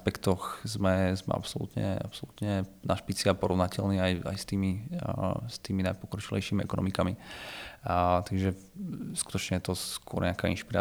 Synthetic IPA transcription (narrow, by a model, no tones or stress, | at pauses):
pɛkt̪ɔxzmɛzmɛ̰ʔa̰psɔlṵt̪ɲɛ̰a̰psɔlut̪ɲɛnaʃpit͡siapɔɾɔʋnacɛlniːaja̰jst̪iːmi | st̪iːminajpɔkɾɔt͡ʃilɛ̰jʃimiɛ̰kɔnɔ̰mikami | t̪aɡʒɛ | sku̥t̪ɔt͡ʃɲɛjɛt̪ɔskʊɔ̰ɾɲɛakaːḭnʃpiɾa̰ː